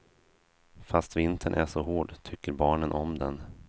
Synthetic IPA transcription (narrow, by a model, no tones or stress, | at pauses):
fast̪vɪnt̪ʰəɳʔæʂɔhoːɖt̪ʰʏkːəɾbɑːɳənʔɔmd̪ɛn